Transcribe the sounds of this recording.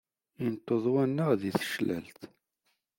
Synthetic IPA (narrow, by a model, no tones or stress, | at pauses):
int̪ˤːoðˤwænːəʁðiθə̥ʃlə̰lt̪